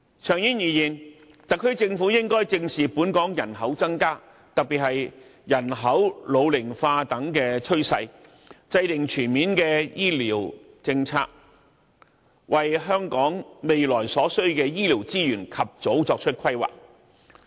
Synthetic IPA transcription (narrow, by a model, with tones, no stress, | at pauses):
t͡ʃʰœː˨˩ŋjiː˥njiː˨˩jiː˨˩n | t̪ɐ˨kʰːɵ˥ɥt͡sɪ˧ŋfuː˨˥jɪ˥ŋkɔː˥jt͡sɪ˧ŋsiː˨puː˨˥nkɔː˨˥ŋjɐ˨˩nɦɐ˨˥wt͡sɐ˥ŋkaː˥ | t̪ɐ˨k̚piː˨t̚hɐ˨jjɐ˨˩nɦɐ˨˥wlo˨˧wlɪ˨˩ŋfaː˧t̪ɐ˨˥ŋkɛː˧t͡ʃʰɵ˥ɥsɐ̰˧j | t͡sɐ˧jt̪ɪ˨ŋt͡ʃʰyː˨˩nmiː˨˥nkɛː˧jiː˥liː˨˩w | t͡sɪ˧ŋt͡sʰa̰ː˧k̚ | wɐ˨jɦœː˥ŋkɔː˨˥ŋme˨jlɔː˨˩jsɔː˨˥sɵ˥ɥkɛː˧jiː˥li˨˩wt͡siː˥jyː˨˩nkʰɐ˨p̚t͡so˨˥wt͡sɔː˧k̚t͡ʃʰɵ˥t̚kʰɐ˥jwa̰ː˨k̚